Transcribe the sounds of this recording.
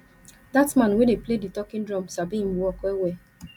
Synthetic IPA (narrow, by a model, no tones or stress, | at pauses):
datmãnwedepleditɔkĩndɹɔ̃msabihĩmwɔkwɛwɛ